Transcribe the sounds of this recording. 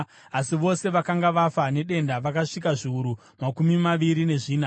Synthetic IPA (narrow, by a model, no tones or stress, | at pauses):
asiʋo̞se̞ʋakaŋɡaʋafane̞ɗe̞ndaʋakaʂikaʐiuɾu | makumimaʋiɾine̞ʐiːna